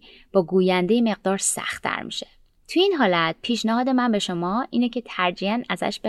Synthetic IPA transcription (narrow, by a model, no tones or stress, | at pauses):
b̥ɒːɡuːjænd̪e̞jeme̞ɣ̚d̪ɒːɾsæ̰xt̪ʰːæ̰ɾmḭʃe | t̪ʰuinɦɒːlæt̪̚pʰiːʃnæhɒːd̪e̞mænbe̞ʃomɒːʔiːnecʰe̞t̪ʰæɾd͡ʒiænæzæ̰ʃb̥e